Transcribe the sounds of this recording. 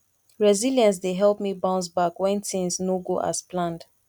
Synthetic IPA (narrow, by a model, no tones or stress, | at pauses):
ɹɛzilijə̃ns̬deɦɛlˠpmibãʊ̃ns̬bakwɛ̃ntĩnsnoɡoʔa̰splãnd